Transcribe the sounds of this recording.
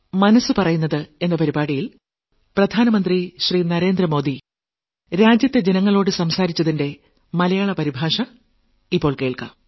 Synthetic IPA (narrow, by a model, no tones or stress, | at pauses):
mɐnɐsːɨpɐrɐjunːɐðɨe̞nːɐpɐɾibaːɽijil | prɐd̪ʱaːnɐmɐnd̪riɕriːnɐɾe̞ːnd̪rɐmo̞ːd̪i | ɾaːd͡ʑjɐt̪ːe̞d͡ʑe̞nɐŋːɐɭo̞ːɽɨsɐmsaːɾit͡ɕːɐðinde̞ | mɐlɐjaːɭɐpɐɾibʱaːʂɐ | ipːo̞ːɭke̞ːɭka̰m